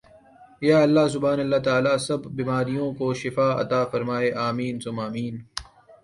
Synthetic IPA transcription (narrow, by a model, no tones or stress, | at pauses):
jaːɐlːaːs̬ʊbʱaːnɐlːat̪aːlaːsɐbːimaːɾijõkoʃɪfaːɐ̰t̪aːfɐɾmaːeːʔaːmiːnsʊmaːmiːn